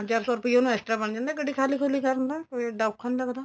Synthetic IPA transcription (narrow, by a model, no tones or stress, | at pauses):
t͡ʃaːɾsɔːɾʊpijonɛsʈɾabənd͡ʒãːnd̪aːkəɖiːkʰaːlikʰolikəɾənd̪aːkɖaːʊkkʰanlakd̪aː